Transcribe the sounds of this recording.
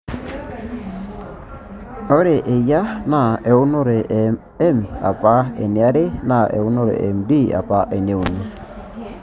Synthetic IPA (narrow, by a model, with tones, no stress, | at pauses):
ɔ˦ɾe˨ʔe˨ja˦na˨e˨ʊ˦nɔ˦ɾe˨ʔ | ɛ˦ma̰˨pa˦ḛ˨nɪ˨a˦ɾe˦na˦˨ḛ˨ʊ˦nɔ˦ɾḛ˨ʔe˨mdi˦˨a̰˨pa˦ʔe˨ne˨u˨nu˦˨